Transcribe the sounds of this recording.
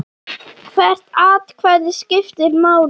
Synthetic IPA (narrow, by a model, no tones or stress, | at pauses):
kʰvɛr̥t̪aːt̪kʰvɛɾðɪ̥scɪft̪ɪɾmaːw